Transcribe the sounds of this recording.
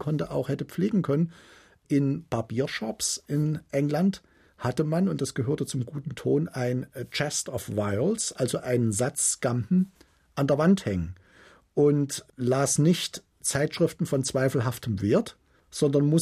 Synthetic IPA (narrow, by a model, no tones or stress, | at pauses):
kʰɔntəʔaʊxhɛtəp͡fleːɡŋ̩kʰœnən | ʔɪnb̥aɐbiːɐʃɔpsʔɪnʔɛŋlant | hatəmanʊntd̥asɡ̥əɦøːɐtət͡sʊmɡuːtn̩tʰoːnaɪnt͡ʃɛstɔfvaɪlsʔalzoʔaɪnənzat͡sɡ̥ampn̩ | ʔandeːɐvanthɛŋən | ʔʊntlaːsnɪçt | t͡saɪtʃʁ̥ɪftn̩fɔnt͡sv̥aɪfl̩ɦaftʰəmveːɐt | z̥ɔndɐnmʊ